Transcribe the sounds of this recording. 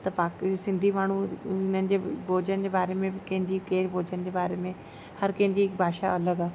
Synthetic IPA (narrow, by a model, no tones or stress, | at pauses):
t̪ɐpaːksɪ̃nd̪ʱimaːɳ̤uɪnənɪ̆d͡ʑebʱoːd͡ʑənd͡ʑebaːɾemẽɪkɐ̃ɦɪ̃ɲd͡ʑikeːɾbʱoːd͡ʑənd͡ʑeːbaːɾeːmẽ | hɐɾkɐ̃ɦɪ̃ɲd͡ʑibʱaːʃa̰ɐləɡaː